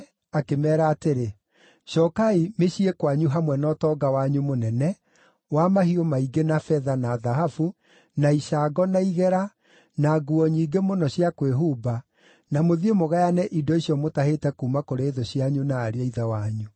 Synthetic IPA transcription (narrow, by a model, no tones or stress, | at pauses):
akemɛːɾaːteɾe | ʃɔkaimeɕiekwaɲuɦamwɛnɔtɔɡawaɲumonɛnɛ | wamaɦiɔmaiɡenafɛðanaːðaɦafu | naiʃaɡɔnaiɣɛɾa | naɡuɔɲiːɡemonɔɕiakweɦuba | namoðiemoɣajanɛʔidɔiɕiɔmotahetɛkuːmakoɾeːðoɕiaɲunaːɾeaiðawaɲu